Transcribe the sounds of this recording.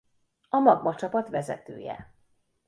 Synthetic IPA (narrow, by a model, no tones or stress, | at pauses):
ɒmɒɡmɒt͡ʃɒpɒt̪ʋɛzɛt̪ø̰ːjɛ̰